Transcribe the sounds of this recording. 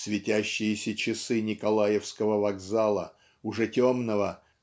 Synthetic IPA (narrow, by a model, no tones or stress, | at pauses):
svʲɪtʲæɕːɪjɪsʲət͡ɕɪsɨnʲɪkɐlˠajɪfskəvəvɐɡzalˠə | ʊʐɛtʲomnəvə